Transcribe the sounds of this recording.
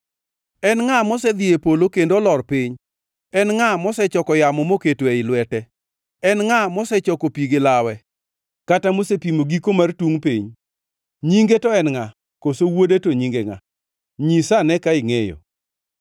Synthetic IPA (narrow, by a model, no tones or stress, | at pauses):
ɛnŋamɔsɛd̪ɪepolokendoɔlɔrpiɲ | ɛnŋamɔsɛt͡ʃɔkɔjamɔmoketweɪlwɛtɛ | ɛnŋamɔsɛt͡ʃɔkopiɡɪlawɛ | katamosepimoɡikomartuŋpiɲ | ɲiŋɡetɔɛnŋa | kosowodetoɲiŋɡeŋa̰ | ɲisanɛkaɪŋejɔ̰